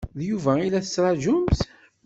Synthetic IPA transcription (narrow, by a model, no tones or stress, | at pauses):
ðjuvæilæθə̥t͡sːɾˤɑʒʊmθ